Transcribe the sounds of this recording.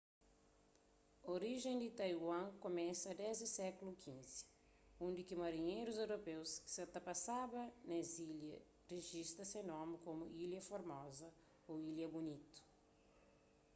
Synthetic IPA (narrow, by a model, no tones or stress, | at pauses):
oɾiʒẽd̪it̪ajwɐ̃komɛ̃sɐɐd̪ɛzisɛkulukʰĩnzi̥ | ũnd̪ikimɐɾiɲejɾuzewɾopewsset̪ɐpasabɐneziljɐ̰ | reʒist̪ɐsenɔ̃mɪkomuʔiljɐfoɾmɔzɐ | oiljɐbunit̪u̥